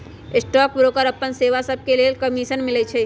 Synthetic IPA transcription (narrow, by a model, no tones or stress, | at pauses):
ɪsʈɔːk̚bɾoːkəɾəpːənseːʋasəb̚keliekəmiːʃənmɪlət͡ʃʰɛ